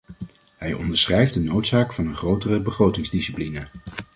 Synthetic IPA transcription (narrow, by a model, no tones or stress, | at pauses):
ɦɛjɔ̰ndəɹsχrɛjfdənowtsaːkfɑnənχrowtərəbəχrowtɪŋzdisiplinə